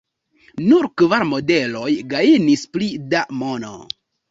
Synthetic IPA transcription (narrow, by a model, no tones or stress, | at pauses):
nuɾkvaɾmo̞de̞lo̞jɡainisplidamo̞no̰